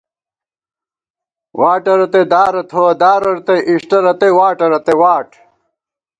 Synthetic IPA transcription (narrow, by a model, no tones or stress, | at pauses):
wʔaːʈɐɾɐt̪ed̪aːɾɐt̪ʰowɐd̪aːɾɐɾt̪eʔiʂʈɐɾɐt̪ewaːʈɐɾɐt̪ewaːʈ